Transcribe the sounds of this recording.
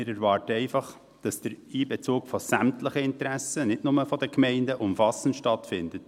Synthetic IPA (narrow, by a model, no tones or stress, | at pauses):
ɪːɾɛɾvɑːɾtəɛɪfɑχ | d̥ɑsd̥əɾiːbɛt͡suːkfɔsæmtləχəɪntɾæsənɪtnʊməfɔdəkmɛɪndəʔʊmfɑsn̩tʃtɑtfɪndət